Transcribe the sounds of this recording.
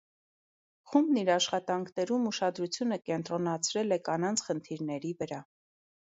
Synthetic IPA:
χumbniɾɑʃχɑt̪ɑŋkʰnɛɾumuʃɑd̪ɾut͡sʰjunəkɛnt̪ɾɔnɑt͡sʰɾɛlɛkɑnɑnt͡sʰχənt̪ʰiɾnɛɾivəɾɑ

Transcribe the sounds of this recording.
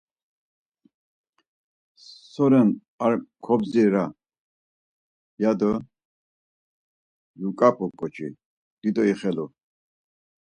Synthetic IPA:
sɔɾɛn | aɾkʰɔbziɾa | jad̪ɔ | jukʼapʼɔkʼɔt͡ʃʰḭ | d̪̥id̪ɔiχɛlu

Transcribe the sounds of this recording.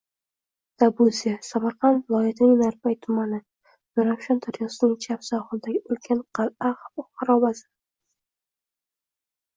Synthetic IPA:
d̪̥abuzijasamaɾqɑnvɪlˠɒjat̪ʰnɪŋnaɾpajt̪ʰʊmanɪ | nʊɾafʃant̪ʰaɾjɒsɪnɪŋt͡ʃʰapsɒχʊnd̪aɡʲɪɵlkʲʰanqaqʰɑɾɒvazɪ

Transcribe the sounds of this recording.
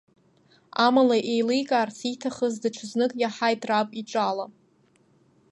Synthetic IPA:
amalaʔejlɨjkʼaːrsʰitʰaχəzdɨʈ͡ʂʷʰɨznɨkʼjaħajtʼrapʼiʈ͡ʂʼala

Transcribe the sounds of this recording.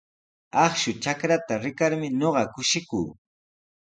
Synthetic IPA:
ɑχʃʊt͡ʃakɾat̪aɾɪkaɾmɪɲoɢɑkʊʃɪkṵː

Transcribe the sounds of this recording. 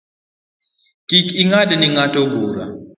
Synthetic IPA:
kikiŋadɛniŋatoɡoːɾa̰

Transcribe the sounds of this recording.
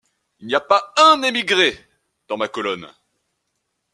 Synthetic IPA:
ilniapaɛ̃nemiɡʁe | d̪̥ɑ̃makɔlɔn

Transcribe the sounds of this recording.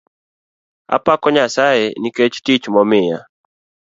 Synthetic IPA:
a̰pakɔɲasaɛniket͡ʃtit͡ʃmɔmɪja̰

